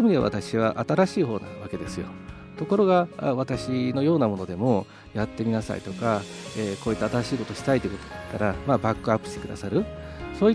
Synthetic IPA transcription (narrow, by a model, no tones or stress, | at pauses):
emɯɲia̰βa̰t̪aɕiβaʔat̪aɾaɕiːɦo̞ːna̰βake̞d̪e̞sɨjo̞̰ | t̪o̞ko̞ɾo̞ɡaa̰βat̪aɕino̞jo̞ːnamo̞no̞d̪e̞mo̞ | jat̪ːe̞mʲinasa̰ḭt̪o̞ka | eːko̞ːit̪ːaːt̪aɾaɕiːko̞t̪o̞ɕi̥t̪ait̪ːei̟ko̞t̪o̥d̪at̪ːaɾamaːbakːɯ̟apːɯ̟̥ɕi̥t̪e̞kɯ̟d̪a̰saɾɯ̟so̞ːi